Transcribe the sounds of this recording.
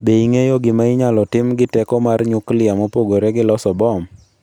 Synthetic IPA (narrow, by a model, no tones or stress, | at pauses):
beiŋejoɡɪmaɪɲalɔtɪmɡɪtɛkɔmarɲʊklɪamopoɡoɾeɡɪlɔsɔbɔm